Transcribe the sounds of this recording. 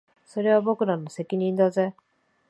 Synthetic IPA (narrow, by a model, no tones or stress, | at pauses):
so̞ɾe̞β̞abo̞kɯ̟ɾano̞se̞kʲiɲ̟ĩnd̪aze